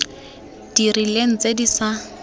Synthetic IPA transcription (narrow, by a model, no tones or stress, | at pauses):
d̥irilen̩t͡sʼedisa